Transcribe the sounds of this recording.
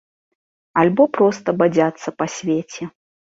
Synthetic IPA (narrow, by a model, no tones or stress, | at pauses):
alʲbɔpɾɔst̪ɐbad͡zʲat̪sːɐpɐsʲvʲet͡sʲɛ